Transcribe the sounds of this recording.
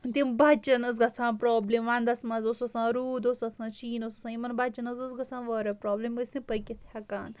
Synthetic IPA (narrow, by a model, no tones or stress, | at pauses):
t̪imbɐt͡ʃɐnɐz̬ɡɐt͡sʰãːpɾoːblemʋand̪ɐsmɐzosɐsãːɾuːd̪osɐsãːt͡ʃiːnosɐsãːimɐnbɐt͡ʃɐnɐzɐzɡɐt͡sʰãːʋəːɾɐpɾoːbleməsʲnĩpəjkʲet̪ʲʰjɐkaːn